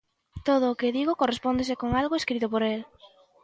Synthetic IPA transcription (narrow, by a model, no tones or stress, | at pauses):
t̪oð̞ʊːkɪðiɣokorespond̪esɪkoŋalɣoeskɾit̪ʊpoɾel